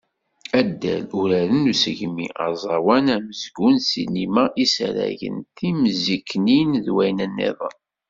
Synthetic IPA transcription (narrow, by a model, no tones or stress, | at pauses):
æd̪ːæ̰luɾæɾənusəʝmḭɑ̰zˤɑwænæməzɡunsḭnimæʔisæɾæ̰ʝə̰nt̪iməzikːninðwæjnənːḛðˤɑn